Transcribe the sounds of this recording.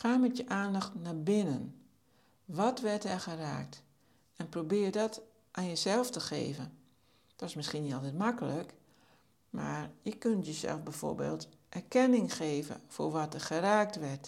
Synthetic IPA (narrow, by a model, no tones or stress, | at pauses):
xaːmɛtjəʔaːndaxtnabɪnən | ʋɔtʋɛrtɛrxəra̰ːk̚t | ɛnprobɪːrdɔt | ʔaːnjəzɛlˠftəxḛːvə | d̥ɔtɪsmɪskinitɔlˠtɛt̚makələk | ma̰rjəkøntjəzɛ̰lˠfbɛfo̰ːɹbḛːlˠt | ʔɛrkɛnɪŋxeːvə̰fo̰rʋɔtɛrxəraːk̚tʋɛrt